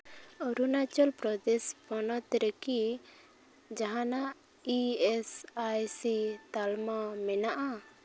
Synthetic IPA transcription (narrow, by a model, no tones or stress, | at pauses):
ɔɾunat͡ʃɔlpɾɔd̪ɛspɔnɔt̪ɾəki | d͡ʒaɦãnaʔ | iɛsajsit̪almamɛnaʔa